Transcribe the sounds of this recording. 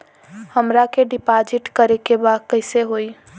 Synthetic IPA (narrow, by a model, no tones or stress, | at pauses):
həmɾakeɖipad͡ʒiʈkəɾekebad̪̚kəɪseɦoi